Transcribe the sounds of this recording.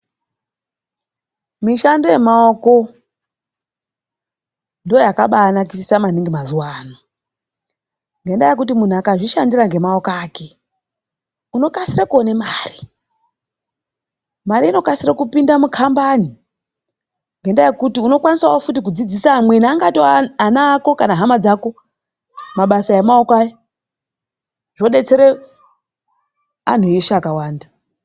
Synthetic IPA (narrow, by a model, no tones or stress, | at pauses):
miʃandoje̞maoko̞ | ndoojakaɓaːnakisisamaniŋɡimazuwaːno | ŋɡe̞ndaje̞k̬ut̬imun̤uakaʐiʃandiraŋɡe̞maokaːke̞ | uno̞kasirakuo̞ne̞maːri | maɾiːno̞kasirakupindamukʰambani | ŋɡendajekutiuno̞kwaniswawofutikud͡zid͡zisamweniaŋɡatoanaːko̞kanaɦamad͡zako̞ | maɓasajemaokajo | ʐ̥o̞ɗe̞t͡se̞ɾe | a̰n̤ueʃaːkawaːnda